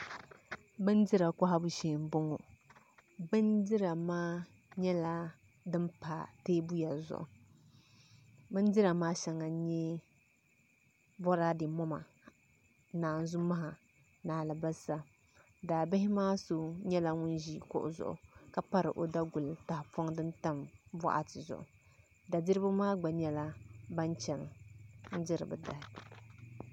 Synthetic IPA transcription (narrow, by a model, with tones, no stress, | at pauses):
bɨ˦ndɪ˦ɾa˨ka˦ɦa˦bu˦ʃeː˨m˨bʊ˦ŋo˨ | bɨ˦ndɪ˦ɾa˨maː˦ | ɲɛ˦la˦ | dɨ˦mpaː˨teː˦bu˦ja˨zʊ̰˨ʔʊ̰˨ | bɨ˦ndɪ˦ɾa˨maː˦ʃɛ˨ŋa˨˦ɲɛ˦ | bɔ˦ɾaː˦dɪ˨mɔ˦ma̰˨ | naː˨n˨zʊ˦ma˦ɦa˨ | naː˨lɨ˨ba˦sa˦ | daː˨bɪ˦ɦɪ˦maː˦so˨ɲɛ˦la˦ŋʊ˦n˦ʒi˦kʊ̰˦ʔʊ̰˨zʊ̰˨ʔʊ̰˨ka˦pa˦ɾɨ˨ʔo˨da˦ɡʊ˨lta˨hɪ˨pʰɔ˦ŋdɨ˦nta˦mbɔ˦ʔa̰˨tɪ˨zʊ̰˨ʔʊ̰˨ | da˨dɪ˦ɾɨ˦ba˦maː˦ɡ͡ba˨ɲɛ˦la˦ba˦nt͡ʃɛ˨n˨n̩˦dɪ˦ɾɨ̰˨bɨ̰˨da˨hɪ˨